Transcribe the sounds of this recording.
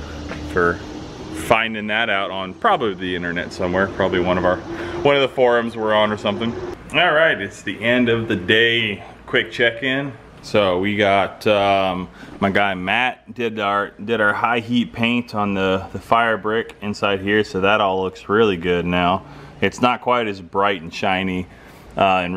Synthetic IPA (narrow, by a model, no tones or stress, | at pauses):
fə˞ | fãɪ̃ndɪ̃ŋðɨɾaʊɾn̩pʰɹ̥ɑbəbliðiɪ̃ɾ̃ə˞nɛ̰tsʌ̃mwɛɹpʰɹ̥ɑbəbliwʌ̃ñʌvə˞wʌ̃nʌvðəfɔɹɨ̃mzwə˞ə̃nə˞sʌ̃mθɪ̃ŋɔlˠɹaɪtɨtsðiʔɛ̃ndʌvðɨdeɪ | kʰw̥ɪk̚t͡ʃʰɛkɪ̃n | soʊwiɡɑtʌ̃mmaɪɡaɪmæt̚d̥ɪdə˞d̥ɨɾə˞haɪɦit̚pʰẽɪ̃ntʰn̩ðəðɨfaɪə˞bɹɪkɨ̃nsaɪd̚hiɹsoʊðəɾɔlʊksɹɪlˠiɡʊdⁿnaʊ | ɨtsnət̚kʰw̥aɪɾɨzbɹaɪɾn̩ʃãɪ̃ni | ʔʌɨ̃n